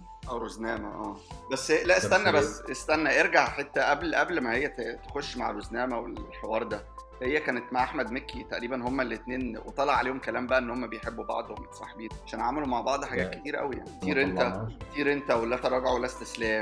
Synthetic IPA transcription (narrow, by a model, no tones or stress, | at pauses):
ʔæwɾoznæːmæ̰ʔæːbæsːelæʔest̪ænːæbæsːʔest̪ænːæʔeɾɡaʕħet̪ːæʔæblʔæblmæhejːæt̪exoʃːma̰ʕrˤoznæːmæwḛlħewɑːɾˤd̪æ | hejːækæːnet̪maʕʔaħmæd̪mekːit̪æʔɾiːbænhomːælːet̪neːnwet̪ˤɑlːɑʕaleːhomkælæːmbæʔæʔenːhomːæbejħebːubɑ̰ʕd̪ˤhommsˤɑ̰ħebiːnʕaʃæːnʕamelumaʕbɑʕd̪ˤħaɡæːt̪̚ke̥t̪iːɾæʔæ̰wija̰ʕnikt̪iːɾʔent̪ækt̪iːɾʔent̪æwelːæt̪æɾˤɑːɡɑʕowelːæst̪eslæː